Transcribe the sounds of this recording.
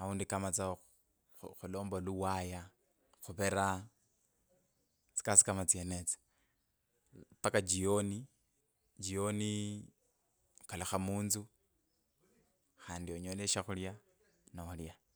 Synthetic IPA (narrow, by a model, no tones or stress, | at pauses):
auːndikamat͡sa | xulo̞ːmboluwaja | xuβeɾa | t͡si̥kasi̥kamat͡sienet͡si̥ | pakad͡ʒioni | d͡ʒioni | kalaxamuːnzu | xaːndioɲoleʃaxulja | naulja